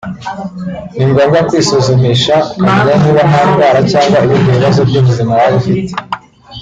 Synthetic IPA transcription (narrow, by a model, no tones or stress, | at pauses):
niŋɡoːŋɡakwiːsozomiʃakameɲaniːβanaːnɡwaːɾacaːŋɡwaiβibɡoβiβazobɟumuzimawaβufite̥